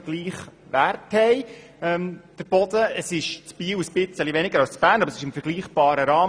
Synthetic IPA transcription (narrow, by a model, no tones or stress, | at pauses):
ɡ̥liːχ | ʋærthɛɪ | ɛmd̥əɾb̥ɔd̪əəsɪʃt͡sb̥iːwuspɪt͡səliʋɛnɪɡəɾɑwst͡sfæːnɑbəɾəsɪ̥ʃɪmfəɾɡliːχb̥ɑːɾəɾɑː